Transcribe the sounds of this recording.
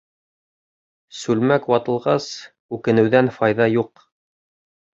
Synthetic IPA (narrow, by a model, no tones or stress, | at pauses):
sʉlmækwɑt̪ɤ̆lˠʁɑs | ʉkɘ̆nɘ̆wðænfɑjðɑjuq